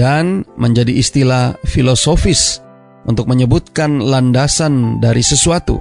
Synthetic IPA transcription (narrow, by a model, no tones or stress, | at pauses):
anməɲd͡ʒadiːst̪ilafilosofɪs | ʔṵnt̪ʊk̚məɲəbut̪̚kanlandasandaɾisəsuat̪ṵ